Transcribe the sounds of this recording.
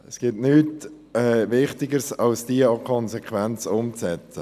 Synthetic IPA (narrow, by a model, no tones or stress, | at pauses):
əsɡ̥ɪtnyːt | ɛːvɪχtɪɡəɾsɑlsd̥iəɑkʰɔnsɛkχʋɛnt͡sʊmt͡sɛt͡sə